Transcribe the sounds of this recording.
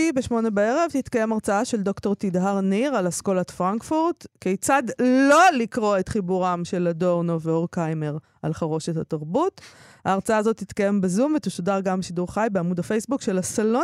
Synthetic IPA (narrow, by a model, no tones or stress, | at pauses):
ibe̞ʃmo̞ne̞baeʁe̞vt̪itkajemaʁt͡saaʃe̞ldo̞kto̞ʁtidɦaʁniʁalasko̞latfʁaŋkfuʁtkejt͡sadlo̞likʁo̞etχibuʁamʃe̞lado̞ʁnoveoʁkajme̞ʁ | alχaʁoʃethataʁbut | aːʁt͡saaːzo̞tːit̪kaje̞mbezumvet̪eʃodaʁɡambeʃiduʁχajbeamudafe̞jsbukʃe̞lasalo